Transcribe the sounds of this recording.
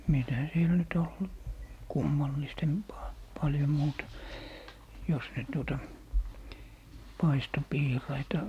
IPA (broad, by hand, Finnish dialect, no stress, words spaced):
mitæ siel nyt ol kumːɑlːistempɑː pɑljom muːtɑ jos nyt tuotɑ pɑisto piːrɑitɑ